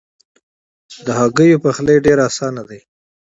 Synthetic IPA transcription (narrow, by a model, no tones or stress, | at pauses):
d̪əɦaɡəjopaxleɖeɾasɑnad̪ej